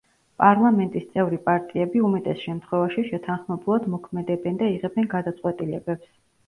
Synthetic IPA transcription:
pʼaɾlˠamɛnt̪ʼist̪sʼɛvɾipʼaɾt̪ʼiɛbiumɛt̪ʼɛsʃɛmt̪ʰχwɛvaʃiʃɛt̪ʰanχmɛbulˠad̪mɔkʰmɛd̪ɛbɛnd̪aiʁɛbɛnɡad̪at̪sʼwɛt̪ʼilɛbɛps

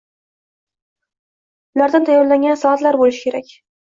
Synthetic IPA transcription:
ʊlaɾd̪ant̪ʰajːɒɾlaŋʲansɒat̪laɾbolɪʃɪkʲʰe̞ɾakʲ

